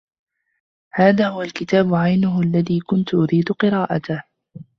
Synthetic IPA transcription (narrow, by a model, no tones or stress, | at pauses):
haːðaːhʊwalkɪt̪aːbʊʕajnʊɦʊʔalːaðiːkʊnt̪ʊʔʊɾiːd̪ʊqɨɾɑːʔat̪a